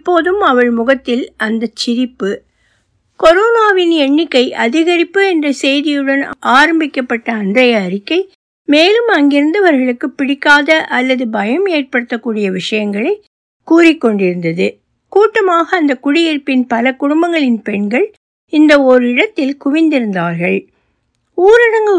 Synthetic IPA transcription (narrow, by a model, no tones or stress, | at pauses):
pːoːðɯmɐʋɐɻmʊɣɐt̪ːɪlɐnd̪ɐt͡ʃːɪɾɪpːɯ | kɔɾoːnaːʋɪnɛɳːɪkːɐɪʔɐðɪɣɐɾɪpːɯɛndrɐsɛjðɪjɯɽɐnʔaːɾɐmbɪkːɐpːɐʈːɐːndrɐjɐːɾɪkːɐɪ | meːlɯmɐŋɡɪɾɯnd̪ɐʋɐɾɣɐɭɯkːɯpːɪɽɪkːaːðɐʔɐlːɐðɯbɐjɐmeːrpɐɽɯt̪ːɐkːuːɽɪjɐʋɪʂɐjɐŋɡɐɭɐɪ | kuːrɪkːɔɳɖɪɾɯnd̪ɐðɯ | kuːʈːɐmaːɣɐːnd̪ɐkʊɽɪjɪɾpɪnpɐlɐkʊɽʊmbɐŋɡɐɭɪnpɛɳɡɐɭ | ɪnd̪ɐɔɾɯɪɽɐt̪ːɪlkʊʋɪnd̪ɪɾɯnd̪aːɾɣɐɭ | uːɾɐɽɐŋɡɐ